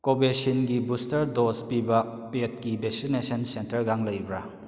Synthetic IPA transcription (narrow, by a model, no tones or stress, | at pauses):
kobesinɡibustɐɾdospibɐpet̚kibek̚sinesɐnsentɐɾɡaŋlɐjbɾa